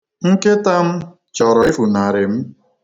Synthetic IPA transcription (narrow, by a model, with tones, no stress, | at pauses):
ŋ̩˦ke˦ta˦m̩˦ | t͡ʃɔ˨ɾɔ˨e˦fu˨na˨ɾe˨m̩˦